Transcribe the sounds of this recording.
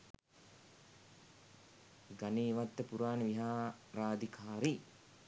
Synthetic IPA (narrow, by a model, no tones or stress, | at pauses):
ɡaneːʋat̪ːəpuɾaːniʋiɦaː | ɾaːd̪ikʰaːɾi